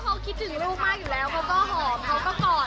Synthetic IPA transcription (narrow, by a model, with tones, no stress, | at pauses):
kʰa˧˥kʰi˦t̪̚ʰɯ˩˦ŋɾuː˥˩ək̚maː˥˩k̚juː˨˩lɛː˨˦˥wkʰa˧˦˥wkɔː˥˩ɦɔː˩˦mkʰa˦˥wkɔː˥˩kɔː˨˩